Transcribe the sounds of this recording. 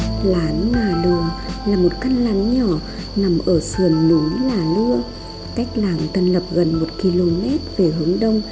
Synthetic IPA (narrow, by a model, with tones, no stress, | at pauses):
laː˨˦nɲaː˨˩lɨ˨˩əlaː˨˩mo˨˩t̚ka˧nlaː˨˩nɲɔ˧˩˨ | na˨˩mʔəː˧˩sɨ˨˩ənːu˨˦laː˨˩lɨ˧ə | ka˦˥jk̟̚laː˨˩ŋt̪ʰə˨˩nlə˨˩p̚ɣə˨˩nmo˨˩t̚ki˧lo˧mɛ˦˥t̚ve˧˨˩ɦɨ˨˦əŋɗə˧wŋ͡m